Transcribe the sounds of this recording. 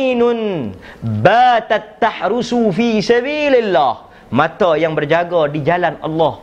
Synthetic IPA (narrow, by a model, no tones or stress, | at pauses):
nʊn | bat̪at̪ːaħɾusufisabiːlɪlːah | mãt̪ajaŋbərd͡ʒaɡadid͡ʒalanʔɑ̰lːɑh